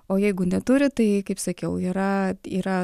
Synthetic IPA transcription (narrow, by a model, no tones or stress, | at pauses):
oːjɛɪɡʊnʲɛt̪ʊɾʲɪt̪ɐɪkɐɪpsɐkʲɛʊiːɾɐiːɾɐ